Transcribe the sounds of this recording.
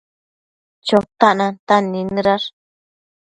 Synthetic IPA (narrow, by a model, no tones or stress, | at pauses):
t͡ʃot̪aʔnãnt̪anĩnɨ̃ɾaɾ